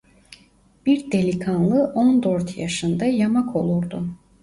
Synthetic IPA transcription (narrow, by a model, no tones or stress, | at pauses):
b̥iɾd̪elʲikʰanlˠɯʔond̪øɾt̪jaʃɯnd̪ajamakʰo̞lˠuɾd̪u